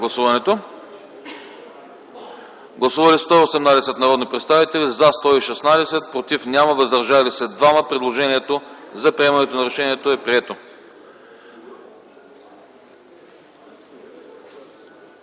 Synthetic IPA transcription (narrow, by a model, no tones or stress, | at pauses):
ɡlˠɐsuvɐnɛt̪o | ɡlˠɐsuvɐlist̪ɔosɛmnad̪ɛsɛt̪nɐɾɔd̪nipɾɛt̪st̪avit̪ɛlizast̪ɔiʃɛsnad̪ɛsɛt̪̚pɾot̪ifnʲaməvəzd̪ɐɾʒalisɛd̪vaməpɾɛd̪lˠoʒɛniɛt̪ozɐpɾʲiɛmɐnɛt̪onɐɾɛʃɛniɛt̪oɛpɾiɛt̪o